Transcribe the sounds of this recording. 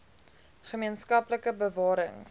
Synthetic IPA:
χəmiənskɐpləkəbəvɑːɾə̰ŋ

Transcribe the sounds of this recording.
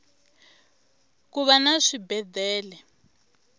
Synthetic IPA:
kuβanaʂibɛd̪ʱɛːlɛ

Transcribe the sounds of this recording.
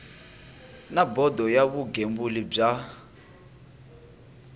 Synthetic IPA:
nabɔdɔjaβuɡembulib͡ʐa

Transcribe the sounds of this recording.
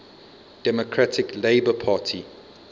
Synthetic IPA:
d̥ɛmokʰɹatʰɪkleɪbəpʰaːtʰi

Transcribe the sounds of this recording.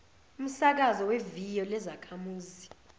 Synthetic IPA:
um̩sak̬azɔwevijɔlɛzakʰamuːzi

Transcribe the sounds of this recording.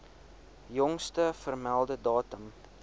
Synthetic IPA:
jɔŋstəfərmælˠdədɑːtəm

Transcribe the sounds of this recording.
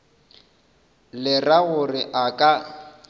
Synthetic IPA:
lɪraɣʊrɪʔakʼa

